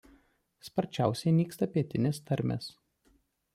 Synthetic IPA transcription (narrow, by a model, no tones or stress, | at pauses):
spɐɾʲt͡ʃʲæˑʊsʲɛɪnʲiːkst̪ɐpʲiɛt̪ʲɪnʲeːst̪ɐɾʲmʲḛːs